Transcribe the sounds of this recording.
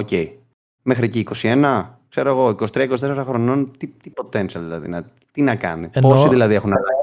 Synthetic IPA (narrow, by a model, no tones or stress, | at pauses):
oce̞j | mexɾieciːko̞sie̞nɐkse̞ɾo̞eɣo̞ikosi̥t̪ɾiɐikosit̪e̞seɾɐxɾo̞no̞nt̪it̪ipo̞t̪ensɐlðilɐðḭnɐ | t̪inɐkɐ̰niposiðilɐðie̞xunɐlɐ